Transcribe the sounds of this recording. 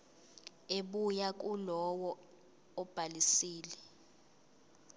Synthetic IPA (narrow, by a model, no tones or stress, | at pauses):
eɓujak̬ʼulɔwɔ | ɔb̥ʱalisiːlɛ